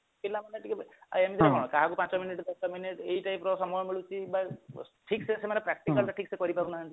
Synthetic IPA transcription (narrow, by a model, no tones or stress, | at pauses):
pilamanɛʈʰikɛa̰jamizadɛkɔɹ̃ɔ̃kaɦakupãnsɔminiʈdɔsɔminiʈejʈajpɾɔsɔmɔjɔmeɭut͡ʃiːbaʈʰiksɛsemanɛpɾak̚ʈikaltaʈʰiksɛkɔɹipabunaɦanti